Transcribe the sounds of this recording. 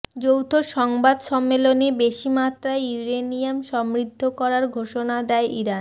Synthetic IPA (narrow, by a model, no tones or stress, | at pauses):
d͡ʑowt̪ʰoʃɔŋbad̪ʃɔmːelonebeʃimat̪ːɾaejuɾenijamʃɔmɾid̪ʱːokɔɾaɾɡʱoʃonad̪ɛeʔiɾan